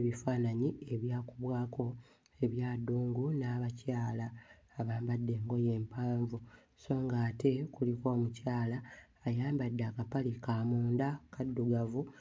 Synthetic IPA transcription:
βifaːnaɲie̞βjaːkuβwaːko̞ | e̞βjaːduːŋɡunaβacaːlaː | βaːmbadːe̞ːŋɡo̞je̞ːmpaːɱvu | so̞ːŋɡaːte̞kuliko̞ːmucaːlaː | jaːmbadːaːkapalikaːmuːndakadːuɡavu

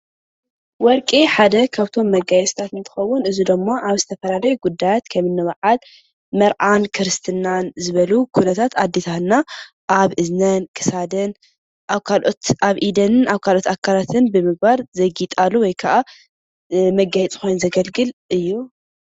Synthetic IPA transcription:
wɔɾkʼiħad̪ɐkʰaβt̪ʰo̞mːɐɡajɛsʼt̪ʰat̪ɨnt̪ʰɨ̥xɐwːunɨzud̪ɨmːaʔaβzɨt̪ʰɐfɐlalɐjuɡud̪ːajat̪kʰɐmɨnːɨwaʕal | mɐɾʔankʰɨɾɨst̪ʰɨnanzɨβɐlukʰunɐt̪ʰat̪ad̪ːet̪ʰana | ʔaβʔɨznɐnkʰɨ̥sad̪ɨn | ʔaβkʰalʔo̞t̪aβʔid̪ɐnɨnaβkʰalo̞t̪akʰːalat̪ʰɨnbɨmɨɡ̚baɾzɐɡit̪ʼalːuwɔjkʰaʔa | mɐɡajɛt͡sʼxʰo̞jnzɐɡɐlɡɨlʔɨjːu

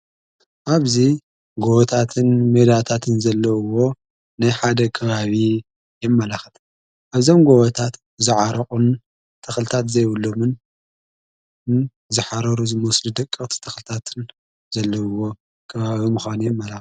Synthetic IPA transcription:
ʔaβzi | ɡoβɐt̪ʰat̪ʰɨnmed̪at̪ʰat̪ʰɨnzɐlːɐwːo̞ | najħad̪ɐkʰɐβaβi | jɛmːɐlaxɨt̪ʰ | ʔaβzo̞mɡoβɐt̪ʰat̪ | zɨʕaɾɐkʼun | t̪ʰːɐxlɨt̪ʰat̪zɐjwulːomɨn | zɨħaɾɐɾuzɨmɐslud̪ɐkʼːɨχʼt̪ʰi̥t̪ʰɐxlɨt̪ʰat̪ʰɨn | zɐlːɐwːo̞ | kʰɐβaβimɨxanujɛmːɐlax

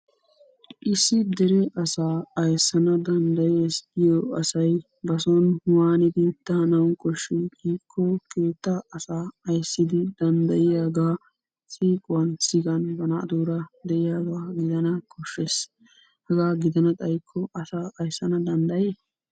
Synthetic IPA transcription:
ʔɪsːɪd̪ɛɾɛʔɐsaːɐjsːɐnɐd̪ɐnd̪ɐjeːsɪjɔɐsɐj | bɐsɔnwaːnɪd̪ɪt̪ːɐnɐwnkʼɔʃːiɡiːkʰːɔke̞ːt̪ːɐɐsaːɐjsːɪd̪ɪd̪ɐnd̪ɐjɪjaːɡaː | sʼiːkʼʊwɐnsɪɡɐnbɐnɐʔɐ̰d̪uːɾɐd̪ɛʔɪjaːɡaːɡɪd̪ɐnɐkʼɔʃːes | hɐɡaːɡɪd̪ɐnɐt̪ʼɐjkʰːɔʔɐsaːʔɐjsːɐnɐd̪ɐnd̪ɐjeː

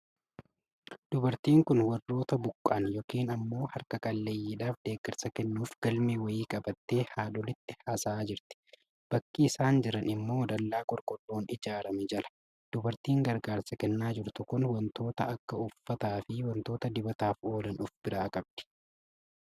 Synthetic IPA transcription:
d̪̥ʊbɐɾt̪iːŋkʊnwɐrːo̞ːt̪ɐbʊkʼːaːnjoːkiːnɐmːo̞ːhɐɾkɐkʼɐlːɐjːiːᶑaːfd̪e̞ːɡɐɾsɐkɛnːuːfɡ̥ɐlmeːwɐjiːkʼɐbɐt̪ːe̞ːhaːᶑɔlɪt̪ːɪhasaːd͡ʒɪɾt̪ɪ̥ | b̥ɐkːiɪsaːnd͡ʒɪɾɐnɪmːo̞ːd̪ɐlːaːkʼɔɾkʼɔlːoːnɪd͡ʒaːɾɐmɛd͡ʒɐlʔɐ̥ | d̪̥ʊbɐɾt̪iːŋɡɐɾɡaːɾsɐkɛnːaːd͡ʒɪɾt̪ʊkʊnwɐnt̪o̞ːt̪ɐɐkːɐʊfːɐt̪aːfɪwɐnt̪o̞ːt̪ɐd̪ɪbɐt̪aːfo̞ːlɐnʊfb̥ɪɾaːkʼɐb̚d̪̥ɪ̥

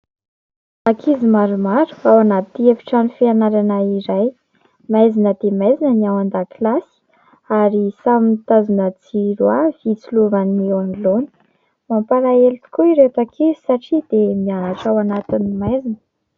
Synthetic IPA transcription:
akʰizimaɾumaɾu̥awanat̪iefi̥ʈ͡ʂanufianaɾanaiɾaj | majzinəd̪emajzinəniawand̪aklasi̥ | aɾisamint̪azunəd͡ziɾuav̥it͡suluvanewaŋloni̥ | mampalaelit̪i̥kuiɾet̪akʰizisaʈ͡ʂid̪̥emianaʈ͡ʂawanat̪inimajzinə̥

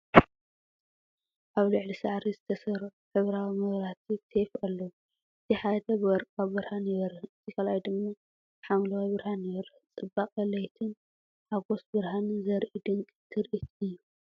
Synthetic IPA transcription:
ʔaβlɨʕlisa̰ʕɾizɨt̪ʰɐsɐɾħɨβɾawimɐβɾat̪ʰit̪ʰefʔalːow | ʔɨt̪ʰiħad̪ɐbɨwɔɾkʼabɨɾhanjɪβɐɾɐhɨt̪ʰikʰalajd̪ɨmmːa | ħamlɐwajbɨɾhanjɪβɐɾɐht͡sʼɨbːakʼɐlɐjt̪ʰɨn | ħaɡo̞sbɨɾhanizɐɾʔid̪ɨŋkʼt̪ʰɨɾʔit̪ʰɨjːu

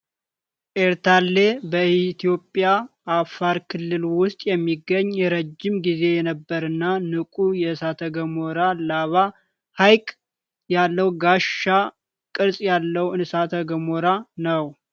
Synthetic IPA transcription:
ʔeɾt̪ʰalːe̞bəit̪ʰijo̞pʼːjaʔːfːaɾkʰɨlːɨlwʊst̪ʼjɛmːiɡːəɲːjɛɾəd͡ʒːɪmɡize̞jɛnəbːəɾɨnːanɨkʼujɛsat̪ʰəɡəmoɾalaβa | hajkʼ | jalːəwɡaʃːa | kʼɨɾsʼjalːəwɨnsat̪ʰəɡəmoɾanəw

